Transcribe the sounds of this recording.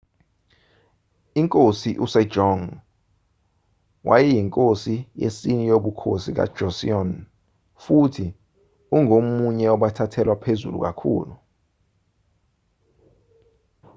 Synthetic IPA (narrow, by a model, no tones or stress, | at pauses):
iŋkʼosiʔusɛ̥ʒ̥ʱɔŋ | wʔa̰jɛjiŋkʼosijḛsinijoɓukʰosik̬a̰d̥ʒ̥ʱɔsḭɔn | futʰi | uŋomuɲɛɔɓatʰatʰɛlwapʰezṵlṵk̬akʰṵːlu